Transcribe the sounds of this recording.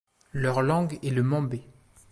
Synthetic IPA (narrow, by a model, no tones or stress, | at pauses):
lœʁlɑ̃ɡeləmɑ̃be